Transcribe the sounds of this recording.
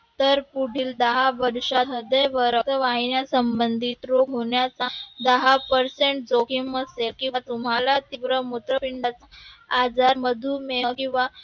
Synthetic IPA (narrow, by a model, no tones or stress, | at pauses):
t̪əɾpuɽ̤iːld̪əɦaʋəɾʂat̪ɦəd̪əjʋəɾət̪əʋaɦinjasəmbənd̪ʱit̪ɾoɡɦoɳjat͡sad̪əɦapəɾseɳʈ̚d͡zokiməselkĩat̪umalat̪iʋɾəmut̪ɾəpiɳɖat͡sad͡zaɾməd̪ʱuːmeəkĩw̃ʋa